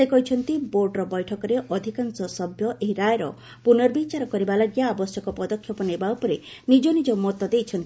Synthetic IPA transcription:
sekɔɦit͡ʃʰɔnt̪iboɾɖɾɔbɔjʈʰɔkɔɾeʔɔd̪ʱikansɔsɔbʱjɔʔeɦiɾajɾɔ̰ | punɔɾbit͡ʃaɾɔkɔɾibalaɡjaabɔsjɔkɔpɔd̪ɔkʰːjɔpɔnebawpɔɾenid͡ʒɔnid͡ʒɔmɔt̪ɔd̪ejt͡ʃʰɔnt̪i

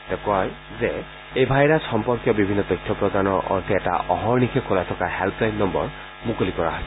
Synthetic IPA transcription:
tɛkɔj | zɛ | ejbʱajɹasxɔmpɔɹkjɔbibʱinːɔtɔjtʰːɔpɹɔdanɔɹʔɔ̰ɹtʰiɛta̰ʔɔ̰ɦɔɹnikʰekʰolajtʰɔkahɛlpʰlajnːɔmbɔ̰ɹ | mukolikɔɹa̰ɦɔ

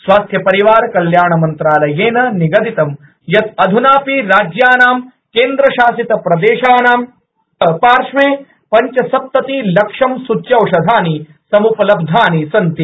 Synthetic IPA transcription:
sʋaːst̪ʰjɐpɐɾiʋaːɾkɐljaːɳɐmɐnt̪ɾaːlɐjeːnɐniɡɐd̪it̪ɐm | jɐt̪ɐd̪ʱunaːpiɾaːd͡ʒjaːnaːm | keːnd̪ɾɐʃaːsit̪ɐpɾɐd̪eːʃaːnaːm | paːɾʂmeː | pɐɲt͡ʃɐsɐp̚t̪ɐt̪ilɐkʂɐmsut͡ʃjɐwʂɐd̪ʱaːni | sɐmupɐlɐb̚d̪ʱaːnisɐnt̪i

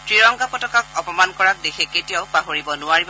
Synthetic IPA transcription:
tɹiɹɔŋɡapɔtɔkak̚ɔpɔmankɔɹak̚dexʰeketijaʊpaɦoɹibɔnʊaɹib

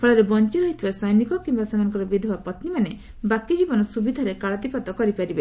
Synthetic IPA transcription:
pʰɔɭɔɾebɔnt͡ʃiɾɔɦit̪ʰibasɔjnikɔkimbasamanɔŋkɔɾɔbid̪ʱoapɔt̪nimane | bakid͡ʒibɔnɔsubid̪ʱaɾekaɭɔt̪ipat̪ɔkɔɾipaɾibe

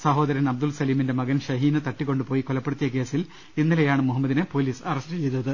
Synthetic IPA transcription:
sɐɦo̞ːd̪ɐɾɐnɐb̚d̪ulsɐliːminde̞mɐɣɐnɕɐɦiːnɨt̪ɐʈːikːo̞ɳɖɨpo̞ːjikolɐpːe̞ɽut̪ːijɐke̞ːsil | inːilejaːɳɨmuɦɐmːɐd̪inɨpo̞ːliːsɐrɐstɨt͡ɕe̞jt̪ːɐðɨ

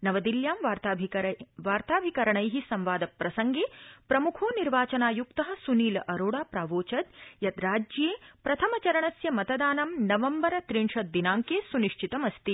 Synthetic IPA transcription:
nɐʋɐd̪iljaːmʋaɾt̪ː | ʋaːɾt̪aːbʱikɐɾɐɳɐjɦisɐmʋaːd̪ɐpɾɐsɐŋɡeːpɾɐmukʰoːniɾʋaːt͡ʃɐnaːjukt̪ɐɦɐ̆suniːlɐʔɐɾoːɽaːpɾaːʋoːt͡ʃɐd̪jɐd̪ɾaːd͡ʒjeːpɾɐt̪ʰɐmɐt͡ʃɐɾɐɳɐsjɐmɐt̪ɐd̪aːnɐmnɐʋɐmbɐɾɐt̪ɾiɳʂɐd̪ːinaːŋkeːsuniʂt͡ʃʰit̪ɐmɐst̪i

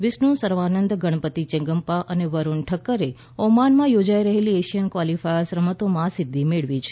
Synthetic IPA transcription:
ʋɪsnũsəɾʋanənd̪ɡəɽ̃pət̪it͡ʃɛ̃ŋɡəmpaʔəneʋəɾuɳʈʰəkːəɾe | ɔmanmãjod͡ʒaiɾəɦelieʃijənkʋalifajsɾəmət̪omãsɪd̪ʱːimeɭʋit͡ʃʰ

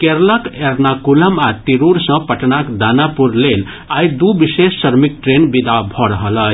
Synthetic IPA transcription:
keɾləkeɾnakuləmat̪iɾuɾsə̃pəʈnakd̪anapuɾlel | ajd̪ubisesːəɾmik̚ʈɾenbid̪abʱɔɾəɦələ

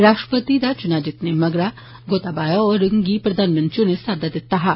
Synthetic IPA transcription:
ɾaːʃʈɾəpət̪id̪at͡ʃʊnad͡ʒɪt̪nemɐɡɾa | ɡoːt̪abaːjoɔːɾɪŋɡipɾɐd̪ʱaːnmɐ̃nt̪ɾijõnesaːd̪ad̪ɪt̪ːaɦa

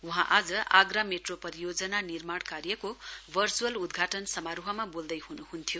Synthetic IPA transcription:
uɦãʔad͡zʌa̰ɡrameʈropʌɾijod͡zʌnanirmaɽ̃karjʌkobʱʌrt͡suʌlud̪ɡʱaʈʌnsʌmaɾuɦʌmabold̪ʌjɦunuhunt̪ʰjo

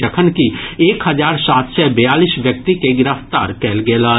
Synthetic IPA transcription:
əkʰənkieːkɦəd͡ʒaːɾsaːt̪sɛbəjaːlisʋjək̚t̪ikeɡɪɾəft̪a̰ːɾkɛːlɡeːlaː

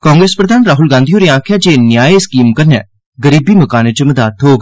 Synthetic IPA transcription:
kãːŋɡɾeːspɾəd̪aːnɾaːɦʊlɡãːnd̪ioːɾeːãːkʰjaːd͡ʒeːnjaːeɪskiːmkəɾnɛ̰ː | ɡəɾiːbiːməkaːnet͡ʃəməd̪aːt̪ʰɦoːɡ

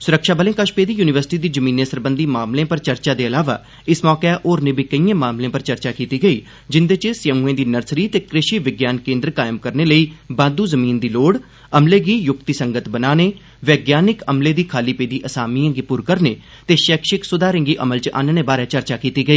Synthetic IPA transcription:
sʊɾəkʃaːbəlẽːkəʃpeːd̪iːjuːnɪʋəɾsɪ̥ʈiːd̪iːd͡ʒəmiːnẽːsəɾbənd̪iːmaːmlẽːpəɾt͡ʃəɾt͡ʃaːd̪eːəlaːʋa̰ː | ɪsmɔːkeʔoːɾnẽːbikəiːãːmaːmlẽːpəɾt͡ʃəɾt͡ʃaːkiːt̪iːɡəiː | d͡ʒɪnd̪eːt͡ʃəsɪə̃muẽːd̪iːnəɾsɾiːt̪eːkɾɪʃiːʋɪɡjaːnkẽːnd̪ɾkaːɪmkəɾneːləiːbãːnd̪uːzəmiːnd̪iːloːɽ | əmleːɡiːjʊkt̪isəŋɡət̪bənaːneː | ʋɛːɡjaːnɪkəmleːd̪iːkʰaːliːpeːd̪iːʔəsaːmiːẽŋɡiːpʊɾkəɾneː | t̪eːʃɛːkʃɪksʊd̪aːɾɪ̃ːŋɡiːʔəməlt͡ʃʔa̰ːnənẽːbaːɾɛːt͡ʃəɾt͡ʃaːkiːt̪iːɡəiː

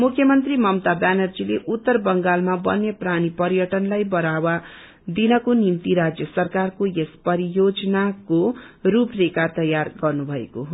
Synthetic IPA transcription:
mukʰːjʌmʌnt̪rimʌmt̪abanʌrd͡zileʔut̪ːʌrbʌŋɡalmabʌnepranipʌɾijʌʈʌnlajbʌɾawa | d̪inʌkonimt̪iɾad͡zjʌsʌrkarkojespʌɾijod͡zʌnakoɾuprekat̪ʌjarɡʌrnubʱʌḛkoɦo

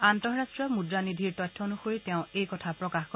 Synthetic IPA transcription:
antɔɹɹastɹiɔmudɹanidʱiɹtɔjtʰːɔnuxoɹitɛʊ̃ejkɔtʰapɹɔkaxkɔ

